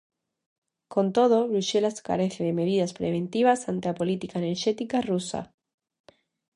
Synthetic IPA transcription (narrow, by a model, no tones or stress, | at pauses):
ko̞nt̪oð̞o̞βɾuʃelaska̰ɾeθeðeme̞ðið̞aspɾeβ̞e̞nt̪iβ̞asant̪eapolit̪ikaeneɾʃet̪ikarusa̰